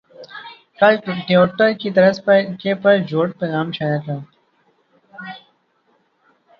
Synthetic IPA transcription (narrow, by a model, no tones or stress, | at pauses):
kəlʈoːʈəɾkiːt̪əɾəskeːpəɾd͡ʒʱoːʈ̚peːɣaːmt͡ʃʰaːəʈ̪ãː